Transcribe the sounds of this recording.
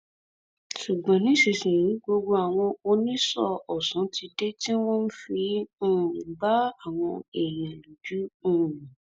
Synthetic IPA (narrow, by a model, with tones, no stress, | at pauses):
ʃu˨ɡ͡bã˨nĩ˦ʃi˧˨sĩ˨ɾĩ˨˦ɡ͡bo˧ɡ͡bo˧a˨w̃ɔ̃˧o˧nĩ˦sɔ˦˨ɔ˨sɔ̃˨˦tʰi˧de˦ti˦wɔ̃˦n̩˦fi˧ũ˦˨nĩ˨ɡ͡ba˦a˦˨w̃ɔ̃˧e˨j̃ɛ̃˨lo˨d͡ʒu˨˦ũ˦˨nĩ˨